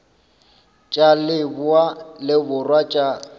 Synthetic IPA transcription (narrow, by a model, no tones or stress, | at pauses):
t͡ʃʼalɪbʊalɪbʊrwat͡ʃʼa